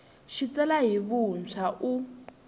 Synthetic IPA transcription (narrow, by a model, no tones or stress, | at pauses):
ʃit͡sɛlaɦiβunt͡sʰaʔu